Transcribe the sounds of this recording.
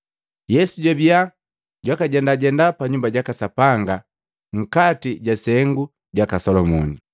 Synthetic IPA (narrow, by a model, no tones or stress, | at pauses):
jɛsuɟabia | ɟwakaɟɛndaɟɛndapaɲumbaɟakasapaŋɡa | ŋ̩katiɟasɛŋɡu | ɟakasɔlɔmɔni